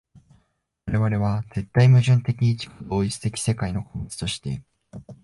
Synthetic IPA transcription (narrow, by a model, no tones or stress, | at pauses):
βaɾe̞β̞aɾe̞βaz̥e̞t̪ːaimɯ̟ʑɨ̃nt̪e̞kʲiɲ̟it͡ɕi̥koːisɨ̥t̪e̞kʲi̥se̞kaino̞komot͡sɨ̥t̪o̞ɕi̥t̪e̞̰